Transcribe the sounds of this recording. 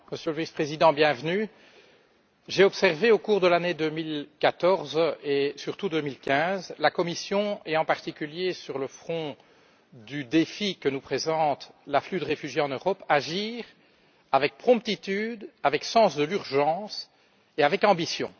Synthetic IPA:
məsjøləvispχezid̪ɑ̃bjɛ̃vny | ʒeɔpsɛʁveokuːʁd̪əlaned̪øːmilkat̪ɔʁzesyʁt̪ud̪øːmilkʲɛ̃zlakɔmisjɔ̃eɑ̃paʁt̪ikʲyljesyʁləfχɔ̃ | d̪yd̪efikənupχezɑ̃ːt̪laflyd̪əʁefyʒjeɑ̃nøʁɔpaʒiːʁ | avɛk̚pχɔ̃p̚t̪it̪yːd̪avɛksɑ̃sd̪əlyʁʒɑ̃ːs | eavɛkɑ̃bisjɔ̰̃

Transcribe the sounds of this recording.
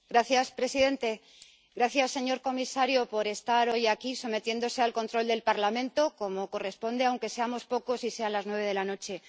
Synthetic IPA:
ɡɾaθjaspɾe̞siðe̞nt̪e̞ | ɡɾaθjasːe̞ɲo̞ɾko̞misaɾjopo̞ɾe̞st̪aɾo̞jakiso̞me̞t̪je̞nd̪o̞se̞alko̞nt̪ɾo̞ld̪e̞lpaɾlamẽ̞nt̪o̞ko̞mo̞ko̞re̞spo̞nd̪eawŋke̞se̞amo̞spo̞ko̞sise̞anlaznwe̞β̞e̞ð̞elano̞t͡ʃe̞

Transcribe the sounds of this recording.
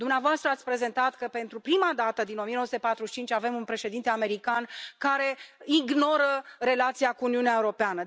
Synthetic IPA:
d̪umneavoast̪ɾəat̪sʲpɾe̞ze̞nt̪at̪kəpe̞nt̪ɾupɾimad̪at̪əd̪ino̞mijenosut̪epat̪ɾuʃi̥t͡ʃint͡ʃʲave̞munpɾe̞ʃe̞d̪int̪e̞ame̞ɾikankaɾe̞iɡno̞ɾəre̞lat̪siakuːniuneaeuɾo̞peanə

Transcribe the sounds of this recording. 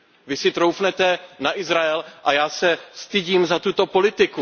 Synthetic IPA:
vɪsɪt̪ɾowfnɛt̪ɛnaʔɪzɾaɛlʔajaːsɛst̪ɪɟiːmzat̪ut̪o̞po̞lɪt̪ɪku

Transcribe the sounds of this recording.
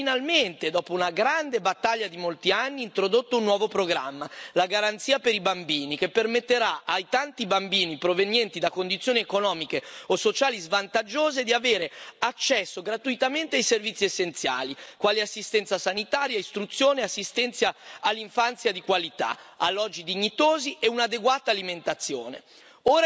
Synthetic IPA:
inalment̪ed̪ɔːpounaɡɾand̪ebat̪ːaʎːad̪imolt̪ianːiːnt̪ɾod̪ot̪ːounːwɔːvopɾoɡɾa̰mːalaɡaɾant̪siːapeɾibambiːnikepːermet̪ːeɾaajt̪ant̪ibambiːnipɾovenjɛnt̪id̪akond̪it̪sːjoːniekonɔːmikeosot͡ʃaːlizvant̪ad͡ʒːoːzed̪iaveːɾeat͡ʃːɛsːoɡɾat̪uit̪ament̪eajservit̪sːiesːent̪sja̰ːlikwaːliasːist̪ɛnt̪sasanit̪aːɾjaist̪ɾut̪sːjoːneasːist̪ɛnt̪sjaalːiɱfant̪sjad̪ikwalit̪a̰alːɔd͡ʒːid̪iɲːit̪oːzieunad̪eɡwaːt̪aːliment̪at̪sːjoːnḛ | oːɾa

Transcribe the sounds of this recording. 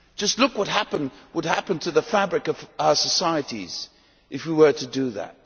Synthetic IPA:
d̥ʒ̥ʌstˡlʊkwʌt̚ɦæpə̃nwəd̚ɦæpɨ̃ntʰɨðəfæbɹɨkʌvaə˞səsaɪɨɾḭz̥ | ʔɨfwiwə˞ɾɨdɨðæ̰t̚

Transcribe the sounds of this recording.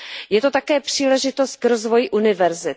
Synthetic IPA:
jɛt̪o̞t̪akɛːpr̥iːlɛʒɪt̪o̞st̪̚kɾo̞zvo̞jɪʔunɪvɛɾzɪt̪

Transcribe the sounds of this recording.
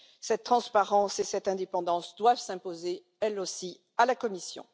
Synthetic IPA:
sɛt̪̚t̪ːχɑ̃spaʁɑ̃sesɛt̪ɛ̃d̪epɑ̃d̪ɑ̃sd̪wavsɛ̃poze | ɛlosi | alakɔmisjɔ̰̃

